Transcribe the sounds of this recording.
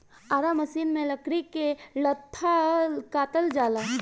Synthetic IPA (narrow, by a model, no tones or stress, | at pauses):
aːɾaməsiːnmẽləkɽikelət̪ʰːakaːt̪əld͡ʒaːlaː